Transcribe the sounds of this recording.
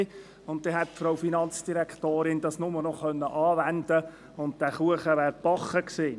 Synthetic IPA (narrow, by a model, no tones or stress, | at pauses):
ʊnt̚d̥̪ɛːɦɛtfɾowfinɑnt͡sd̥iɾɛktoːɾɪnd̥ɑsnʊmənɔχœnːəʔɑːvændə | ʊnt̚d̥æχuəχəʋæːɾb̥ɑχəkseː